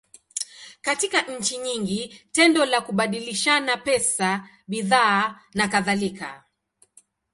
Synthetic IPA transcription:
katikaʔɲ̩t͡ʃiɲiŋɡitɛndɔlakuɓaɗiliʃanapɛsa | ɓiðaː | nakaðalika̰

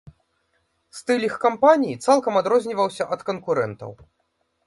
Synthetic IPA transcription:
st̪ɨlʲixkampanʲijit̪salˠkɐmad̪ɾɔzʲnʲivɐwsʲɐʔɐt̪kɐnkuɾɛnt̪ɐ̰w

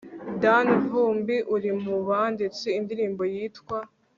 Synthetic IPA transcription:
danɦuːmbiʔuɾimuβandet͡siindiɾiːmbo̞jiːtkwa

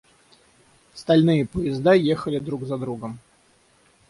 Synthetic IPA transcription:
st̪ɐlʲnɨjəpəjɪzd̪ajexəlʲɪd̪ɾuɡzɐd̪ɾuɡəm

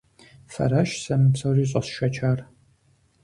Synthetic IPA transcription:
fɐ̰ɾɐʃsɐmɨpsɐriːɕʼɐsʃɐt͡ʃʰaːr

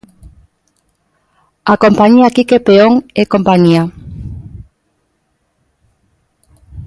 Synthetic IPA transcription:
akompaɲiakikepeoŋekompaɲia

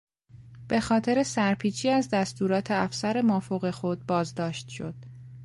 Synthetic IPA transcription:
b̥e̞xɒːt̪ʰe̞ɾe̞sæɾpʰiːt͡ʃʰiːæzd̪æst̪uːɾɒːt̪ʰeæfsæɾe̞mɒːfoɣe̞xo̞d̪̚bɒːzd̪ɒːʃt̪ʃo̞̰d̪̥

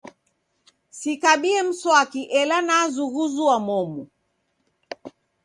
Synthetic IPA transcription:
sikaɓiɛm̩sɔakiʔɛlanazuɣuzuwamɔmu

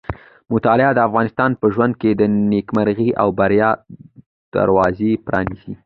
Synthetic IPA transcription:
mʊt̪ɑlɪad̪əafɣɑnɪst̪ɑnpəʒwand̪̚ked̪ənekmaɾɣiʔa̰wbaɾjɑ | d̪̥a̰ɾwɑzepɾɑ̰nisi

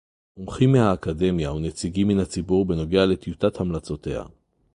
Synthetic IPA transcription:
omχimːehaːkade̞mjaunet͡siɡimːinhat͡sibuʁbe̞no̞ɡeale̞t̪jutathamlat͡so̞te̞ha̰

